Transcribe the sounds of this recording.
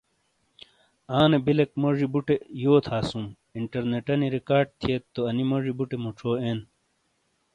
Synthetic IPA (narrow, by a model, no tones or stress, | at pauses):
aːnebilek̚mɐʐibuʈejoːt̪ʰaːsũm | iɳʈɐɾneʈɐniɾikaːɾɖ̚t̪ʰiet̪ːoɐnimɐʐibuʈemuʈ͡ʂʰoːeːn